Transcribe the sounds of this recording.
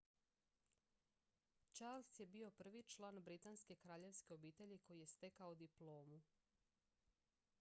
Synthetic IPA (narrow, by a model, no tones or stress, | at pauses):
t͡ʃaɾlsje̞bio̞pr̩ʋit͡ʃlˠaːnbɾit̪anske̞kɾaːʎe̞ʋske̞o̞biːt̪e̞ʎiko̞jije̞st̪e̞kaod̪iplˠo̞ːmu